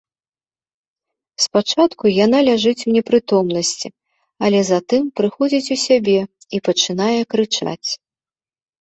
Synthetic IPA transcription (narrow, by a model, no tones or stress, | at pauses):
spat͡ʂat̪kujanalʲaʐɨt͡sʲunʲɛpɾɨt̪ɔmnɐsʲt͡sʲi | ɐlʲɛzɐt̪ɨmpɾɨxɔd͡zʲit͡sʲusʲabʲɛ | ipɐt͡ʂɨn̪ajɛkɾɨt͡ʂa̰t͡sʲ